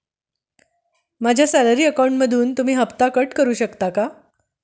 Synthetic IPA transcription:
mad͡ʑʱjasæləɾiːəkawɳʈməd̪ʱuːnt̪um̤iːɦəpt̪akəʈkəɾuːɕəkt̪aka

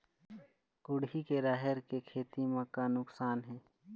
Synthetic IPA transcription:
kʊɽɦikeɾaːɦəɾkekʰeːt̪imãkanʊksaːnɦɛ̃ː

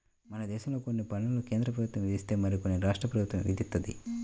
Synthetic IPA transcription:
mɐnɐd̪ɛːʃɐmlo̞ːko̞nːipɐɳːɐloke̞ːnd̪ɾɐp̬ɾɐbʱut̪ʋɐ̃mʋid̪ʱist̪e̞ːmɐɾikonːiɾaːʂʈɾɐpɾɐbut̪ʋɐmʋḭd̪ʱit̪ːɐd̪ḭ

